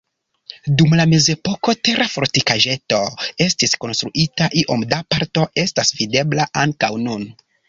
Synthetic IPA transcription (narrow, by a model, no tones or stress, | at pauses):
dumlame̞ze̞po̞ko̞te̞ɾafo̞ɾtikaʒe̞to̞e̞stisko̞nst̪ɾuʔitaʔiʔo̞mdapaɾto̞e̞stasvide̞blaʔaŋkawnun